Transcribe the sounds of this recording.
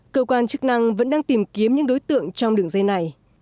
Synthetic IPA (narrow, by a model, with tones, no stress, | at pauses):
kəː˧kwaː˧nt͡ɕɨ˦˥k̚na˧ŋvə̰˧˥nɗaː˧ŋt̪i˨˩mki˨˦əmɲɨ̰˧˥ŋɗo˨˦jt̪ɨ̰˧˨əŋt͡ɕɔ˧wŋ͡mɗɨ˨˩əŋzə˧na˨˩j